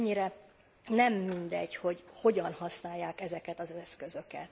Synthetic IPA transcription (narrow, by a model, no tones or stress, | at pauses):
ɲːiɾɛ | nɛmːind̪ɛ̰ɟho̞ɟho̞ɟɒnhɒsnaːjːaːkɛzɛkɛt̪ɒzɛskø̞zø̞kɛ̰t̪